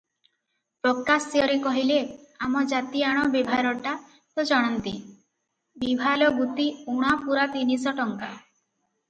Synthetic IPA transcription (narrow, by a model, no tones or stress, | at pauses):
pɾɔkasijɔɾikɔɦileamɔd͡ʒat̪iaɽ̃ɔbibʱaɾɔʈa | t̪od͡ʒɔɽ̃ɔnt̪i | bibʱalɔɡut̪iuɽ̃apuɾat̪inisɔʈɔŋka